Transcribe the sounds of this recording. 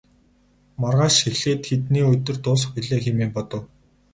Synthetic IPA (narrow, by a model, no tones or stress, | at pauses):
marʁaːʃexɮeːt̪xet̪niːɵt̪ɵ̆rt̪ʊːs̬xiɮeːximeːmpɔt̪ɞ̆w